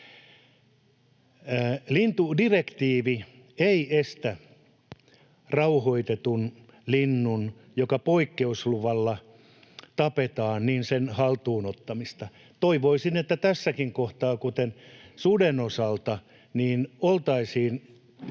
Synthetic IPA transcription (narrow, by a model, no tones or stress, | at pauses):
lint̪udirekt̪iːʋi | eiest̪æ | rɑuhoit̪et̪un | linːun | jokɑpoikːeusluʋɑlːɑ | t̪ɑpet̪ɑːnniːnsenhɑlt̪uːnot̪ːɑmist̪ɑ | t̪oiʋoisinet̪ːæt̪æsːækiŋkoht̪ɑːkut̪ensudenosɑlt̪ɑ | niːnolt̪ɑisiːn